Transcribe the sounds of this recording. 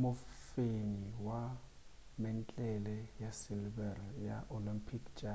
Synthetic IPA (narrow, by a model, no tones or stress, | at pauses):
mʊfeniwa | mɛn̩t͡ɬʼɛlɛjasilbɛrjaʔolimpʰikd͡ʒʼa